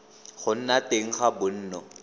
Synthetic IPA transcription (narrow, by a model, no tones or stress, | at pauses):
χʊn̩nateŋ̩χabʊn̩ːnɔ